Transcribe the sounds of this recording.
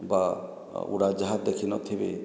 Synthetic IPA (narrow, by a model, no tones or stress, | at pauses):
ba | ṵɽad͡ʒaɦat̪̚d̪ekʰinɔt̪ʰibe